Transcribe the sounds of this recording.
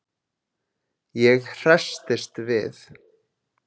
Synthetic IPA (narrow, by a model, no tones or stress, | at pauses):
jɛɣr̥ast̪ɪst̪vɪ̰θ